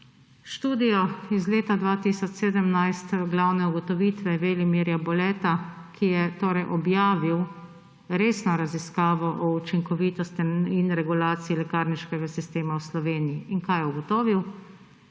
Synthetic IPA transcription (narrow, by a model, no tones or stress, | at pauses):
ʃt̪uːd̪ijɔizleːt̪ad̪ʋaːt̪isɔt͡ʃseːd̪əmnajst̪ɡlawnɛuɡɔt̪ɔʋiːt̪ʋɛʋelimiɾjabɔlɛt̪akʰijɛt̪oːɾɛjʔɔbjaːʋiw | ɾeːsnɔɾaziskaːʋɔʔɔut͡ʃiŋkɔʋiːt̪ɔst̪iinɾɛɡulaːt̪siilɛkaːɾniʃkɛɡasist̪eːmawslɔʋeːnijiːnkajɛuɡɔt̪oːʋiw